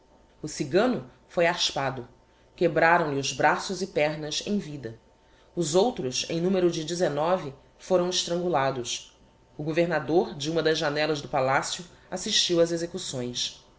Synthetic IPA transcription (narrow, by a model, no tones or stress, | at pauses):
ʊsiɡɐ̃nʊ | fojaʃpad̪ʊ | kebɾaɾɐ̃w̃lɪʊzbɾasʊzɪpɛɦnɐzḛ̃j̃vid̪ɐ | ʊzowt̪ɾʊsḛ̃j̃nũmeɾʊd͡ʒɪd͡ʒɪzenɔvɪ | foɾɐ̃w̃ɪʃt̪ɾɐ̃ŋɡulad̪ʊs | ʊɡoveɾnad̪oɾd͡ʒɪũmɐd̪ɐzʒanɛlɐzd̪ʊpalasjʊasiʃt͡ʃiwɐzezekusõj̃s